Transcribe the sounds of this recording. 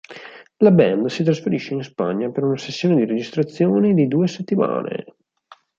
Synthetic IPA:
labɛnd̪sit̪ɾasfeɾiʃːeinspa̰ɲːapeɾunasesːjoːned̪iɾed͡ʒist̪ɾat̪sːjoːned̪id̪uːeset̪ːima̰ːnḛ

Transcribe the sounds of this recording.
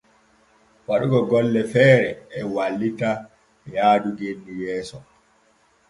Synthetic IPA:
waɗuɡɔɡɔlːɛfɛːɾɛːwalːita | jaːduɡenːijɛːsɔ

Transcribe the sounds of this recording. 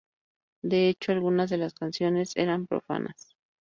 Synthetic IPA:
d̪e̞et͡ʃo̞alɣunazðe̞laskansjo̞ne̞se̞̰ɾampɾo̰fa̰nʔa̰s

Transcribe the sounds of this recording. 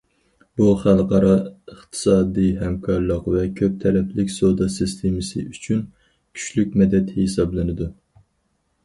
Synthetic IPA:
buχælˠqɑɾɑəχt̪ʰɨ̥sɑːd̪iɦɛmkʰɑɾlˠəqvɛkʲʰøp̚t̪ʰɛɾɛpʰlɪkʲsod̪ɑsɨst̪ʰemɨsɨ̰ʔyt͡ʃʰyn | kʲʰy̥ʃlykʲmɛd̪ɛt̪hesɑblˠɪnɨd̪u

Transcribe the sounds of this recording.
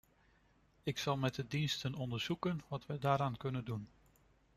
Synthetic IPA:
ɪksɑlˠmɛdədinstənɔndəɹz̥ukənʋɑtʋədaːɾaːnkɵnəndun

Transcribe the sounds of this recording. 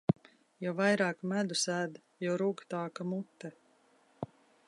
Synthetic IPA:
jɔvajɾɑːkmæd̪usæːd̪ | jɔwɾuɡt̪aːkamut̪ːɛ

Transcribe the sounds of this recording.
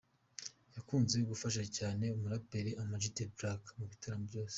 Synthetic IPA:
jakuːnzejoɡufaʃ̬acaːne̞umuɾapeɾeʔamad͡ʒitebɾakmuβitaɾamobɟo̞ːse̥

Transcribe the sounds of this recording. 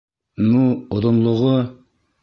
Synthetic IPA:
nuoðŏnlˠŏʁo

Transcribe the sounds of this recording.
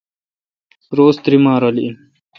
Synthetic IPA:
ɾoːst̪ɾimaːɾɐliin

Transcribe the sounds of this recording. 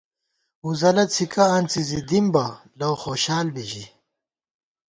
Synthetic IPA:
uzɐlɐt͡sʰikɐːnt͡sizid̪imbɐ | lɐwxoːɕaːlbiʑi

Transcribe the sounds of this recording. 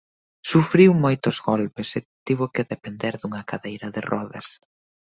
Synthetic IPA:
sufɾiwmojt̪ozɣɔlpeset̪iβokeðepend̪eɾðuŋɐkaðejɾɐðɪrɔðɐ̰s

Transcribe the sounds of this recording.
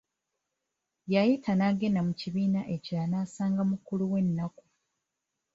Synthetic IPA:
jajitʰanaɡe̞namuciβiːnaʔe̞caːnaːsaːŋɡamukuluwe̞nːaku̥

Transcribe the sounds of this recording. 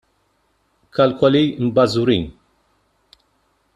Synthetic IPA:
kʰɐlkɔlimbɐzuɾiːn

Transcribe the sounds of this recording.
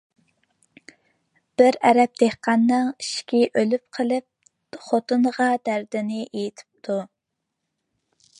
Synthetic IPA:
b̥ɪɾɛɾɛp̚d̪̥ehqɑnːɨŋiʃkʲiʔølyp̚qʰəlˠɨp̚ | χot̪ʰɨnʁɑd̪æɾd̪ɪnɪʔejit̪ʰɪ̥p̚t̪ʰu

